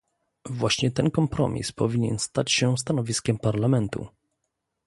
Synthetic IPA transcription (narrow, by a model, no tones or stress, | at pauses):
vwaɕɲɛt̪ɛnkɔmpɾɔ̰mʲḭspɔvʲiɲɛ̰nst̪at͡ɕɕɛst̪anɔvʲiskʲɛmpaɾlamɛnt̪ṵ